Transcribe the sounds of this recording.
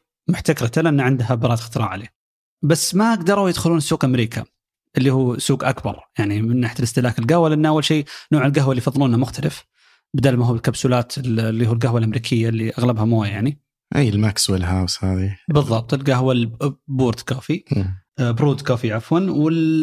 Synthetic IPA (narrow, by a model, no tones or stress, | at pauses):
mʊħt̪akɾˤɑt̪alʔanːaʕɪnd̪ɦabɑɾˤɑːt̪xt̪ɾˤɑ̰ʕaleː | basːmaʔaɡd̪ɑɾˤujɪd̪xʊluːnɪsːuːɡʔamɾiːkʰa̰ | ʔɪlːihuːsuːɡʔakbɑ̰ɾˤjaʕnimɪnːaħat̪ɪlɪst̪ɪlaːkɪlɡahwalʔnːʔawːalʃiːnoːʕɪlɡaɦwalːijfɑðˤːɨluːnamʊxt̪alɪf | bɪd̪aːlmaɦuːɪlkabsuːlaːt̪ɪllːiːhuːlɡahɦwalʔamɾiːkʰɪjːalːiʔaɣlabhamoːajaʕni | ʔiːɪlmakswɪlɦaːwshaːðibɨðˤːɑb̚t̪ˤɪlɡahwalbuːɾd̪koːfi | bɾuːd̪kaːfiʕafwanwɪl